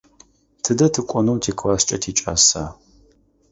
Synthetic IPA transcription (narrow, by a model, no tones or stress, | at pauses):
tʰɨdɐtʰɨkʷʼɔnɨwtʰeːkʰwaʃt͡ʃʼɐ̰tʰiːt͡ʃʼa̰ːsa̰ː